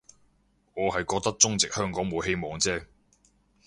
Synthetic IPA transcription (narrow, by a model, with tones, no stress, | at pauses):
ŋɔː˨˧ɦɐ˨jkɔː˧k̚t̪ɐ˥k̚t͡sʊ˥ŋt͡sɪ˨k̚hœː˥ŋkɔː˨˥ŋmo˨˧wɦe˥jmɔː˨˧ŋt͡sɛː˥˩